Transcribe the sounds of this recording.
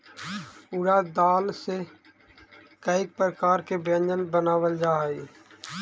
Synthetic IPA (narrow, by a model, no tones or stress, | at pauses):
ʊɽad̪aːlse | kəɪk̚pɾəkaːɾkebə̃nd͡ʒənbənaːwəld͡ʒaːi